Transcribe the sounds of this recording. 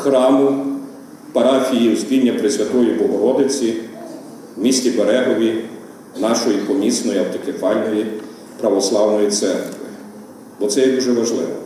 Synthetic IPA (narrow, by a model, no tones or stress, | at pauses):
xɾɑmʊ | pɐɾɑxʲijiwspʲinʲːɐpɾɪsʲʋʲɐt̪ɔjibɔɦɔɾɔd̪ɪt͡sʲi | wmʲisʲtʲibeɾɛɦɔʋʲi | nɑʃɔjikɔmʲisnɔjiɐwt̪ɔkefɑlʲnɔʋʲji | pɾɐʋɔslˠɑwnɔjit̪sɛrkʋɪ | bɔt̪sɛjɛd̪uʒɛʋɐʒlˠɪ̰ʋɔ